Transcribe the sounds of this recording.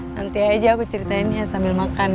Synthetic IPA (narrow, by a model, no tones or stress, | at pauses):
nant̪iad͡ʒakut͡ʃəɾit̪ainɦasambɪlmakan